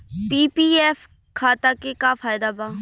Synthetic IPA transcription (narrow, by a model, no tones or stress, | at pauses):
piːpiːɛːf | kʰaːt̪aːkekaːfʰaːjd̪aːbãː